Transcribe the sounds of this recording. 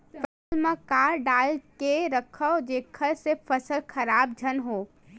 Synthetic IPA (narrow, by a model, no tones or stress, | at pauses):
pʰəsəlmẽkaːɾɖaːlkeɾəkʰəod͡ʒeːkʰəlsepəsəlkʰɐɾaːbd͡ʒʱənɦoː